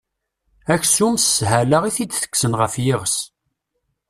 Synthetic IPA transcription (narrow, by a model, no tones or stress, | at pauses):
æçsumsːhælaʁiθid̪θə̥kːsənʁəfjɪʁəs